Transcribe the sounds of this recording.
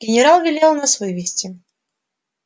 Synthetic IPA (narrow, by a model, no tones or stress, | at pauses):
ɡʲɪnʲɪɾalˠvʲɪlʲelˠnasvɨvʲɪsʲtʲɪ